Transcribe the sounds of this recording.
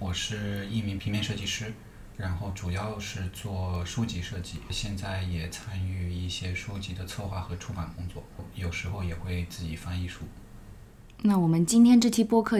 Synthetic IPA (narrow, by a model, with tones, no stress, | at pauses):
wɔ˨˩ʂɻ̩˥˧i˥˩mi˧˥ŋpʰi˧˥ŋmjɛ˥˧nʂɤ˥˧t͡ɕi˥˩ʂɻ̩˥ | ɻa˧˥nxo˥˩ʊʈ͡ʂu˨˩jɑ˥˧ʊʂɻ̩˥˧t͡swɔ˥˩ʂu˥t͡ɕi˧˥ʂɤ˥˧t͡ɕi˥˩ɕjɛ˥˧nt͡sa˥˩ɪjɛ˨˩t͡sʰa˥ny˥˧i˥˩ɕjɛ˥ʂu˥t͡ɕi˧˥d̪ə˨t͡sʰwɔ˥˧xwa˥˩xɤ˧˥ʈ͡ʂʰu˥pa˨˩nkʊ˥ŋt͡swɔ˥˩˥jo˨˩ʊʂɻ̩˧˥xo˥˧ʊjɛ˨˩xwe˥˧ɪt͡sɹ̩˥˩t͡ɕi˨˩fɑ˥˧ŋi˥˧ʂu˥˩ | na˥˩wɔ˨˩mə˦nt͡ɕi˥nt̪ʰjɛ˥nʈ͡ʂɤ˥˩t͡ɕʰi˥pwɔ˥kʰɤ˥˩